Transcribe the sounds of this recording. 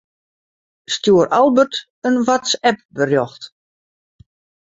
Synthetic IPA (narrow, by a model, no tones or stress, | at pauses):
stjuəɾʔalˠbət | ənʋasɛp̚bərjɔxt